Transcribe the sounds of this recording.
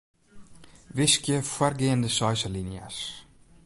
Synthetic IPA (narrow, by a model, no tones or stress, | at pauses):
ʋɪskjəfwarɡeəndəsœjsəlinja̰s